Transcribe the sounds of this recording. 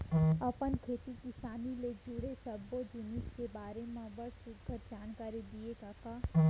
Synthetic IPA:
ɐpənkʰeːt̪ikɪsaːniled͡ʒuːɽesəbod͡ʒɪnɪskebaːɾemãbəɾsʊɡʱəɾd͡ʒaːnkaːɾid̪ieɡaːkaː

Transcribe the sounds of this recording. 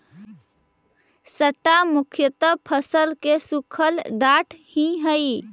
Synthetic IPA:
səʈamʊkʰjət̪əbpʰəsəlkesukʰəlɖaʈʰhĩɦəi

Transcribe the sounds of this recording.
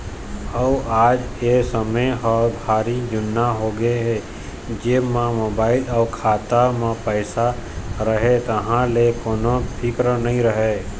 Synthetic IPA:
əaːd͡ʒesəməɔːɾbʱaːɾid͡ʒʊnːaɦoɡeɦe | d͡ʒeːmãmoːbaːɪlɔkʰaːt̪amãpəɪsaɾəɦet̪əɦãlekoːnopʰɪkɾənəɦĩɾəɦe

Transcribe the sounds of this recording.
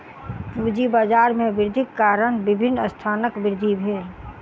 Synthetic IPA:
pud͡ʒibaːd͡ʒaːɾmẽʋɪɾd̪ʱɪkːaːɾənbɪbʱɪnːəst̪ʰaːnəkʋɪɾd̪ʱibʱeːl

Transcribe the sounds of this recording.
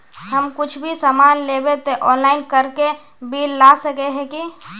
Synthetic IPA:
həmkʊt͡ʃʰbʱisaːmaːnleːbet̪eʔɔ̃ːnlaːɪnkəɾke | biːlːaːsəkeɦɛ̃ki

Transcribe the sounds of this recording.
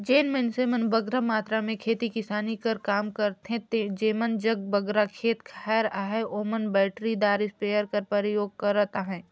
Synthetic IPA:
d͡ʒeːnmensemənbəɡɾamaːt̪ɾamẽkʰeːt̪ikɪsaːnikɐɾkaːmkɐɾt̪ɦɛ̃t̪ed͡ʒeːmənd͡ʒɐɡ̚bəɡɾakʰeːt̪kʰaːɾaːɦɛoːmənbɛːʈɾid̪aːɾɪspeːjəɾkɐɾpɐɾɪjoːɡ̚kɐɾət̪aɦɛ̃ː

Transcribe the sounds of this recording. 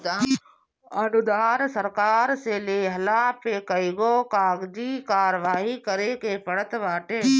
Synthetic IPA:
ənʊd̪aːɾsəɾkaːɾseːleːɦɐlaːpeːkəiːɡoːkaːɡd͡ʒikaːɾʋaːɦikəɾeːkeːpəɽət̪ʋaːʈʰeː

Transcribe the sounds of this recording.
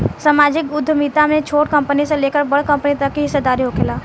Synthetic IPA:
samaːd͡ʒɪkʊd̪ʱːəmiːt̪amẽt͡ʃʰoːʈkɐ̃mpəniseleːkəɾbəɽkɐ̃mpənit̪ɐkːiɦɪsːed̪aːɾiɦokʰɪlaː

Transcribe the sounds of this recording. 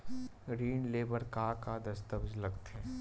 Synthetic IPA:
ɡɾiːnleːbəɾkaːkad̪ɐst̪əbd͡ʒlɐɡt̪ɛ

